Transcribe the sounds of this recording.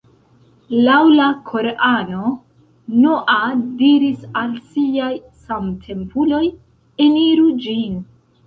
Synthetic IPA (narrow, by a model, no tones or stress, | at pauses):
lawlakʰo̞ɾeʔano̞ | noʔadiɾisalsiaj | samtʰe̞mpulo̞j | eniɾud͡ʒin